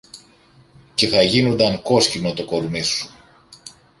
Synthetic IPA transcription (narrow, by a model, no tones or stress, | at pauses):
ce̞θɐʝinond̪ɐŋko̞scino̞t̪oko̞ɾmisu̥